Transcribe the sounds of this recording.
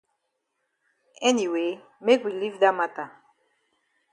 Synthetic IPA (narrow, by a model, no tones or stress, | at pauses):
ɛniwe | mekwilivdamata